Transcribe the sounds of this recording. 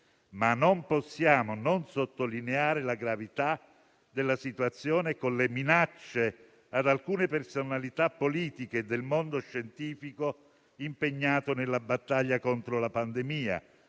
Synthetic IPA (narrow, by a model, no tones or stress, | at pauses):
manomposːjaːmononsot̪ːolineaːɾelaɡɾavit̪a | d̪elːasit̪wat̪sːjoːnekonleminat͡ʃːe | ad̪alkuːnepersonalit̪apːoliːt̪iked̪elmond̪oʃːent̪iːfiko | impeɲːaːt̪onelːabat̪ːaʎːakont̪ɾolapand̪emiːa̰